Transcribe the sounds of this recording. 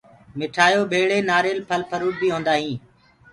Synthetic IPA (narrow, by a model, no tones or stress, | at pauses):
mɪʈʰaːjoːbʱeːɭeːnaːɾeːlpʰəlpʰəɾuːʈ̚bʱiːɦõːnd̪aːɦĩː